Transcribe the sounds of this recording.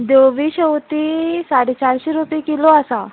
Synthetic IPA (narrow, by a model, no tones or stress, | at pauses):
d̪oʋiːɕəwt̪isaɽet͡ɕaɾɕeɾupjkiloasa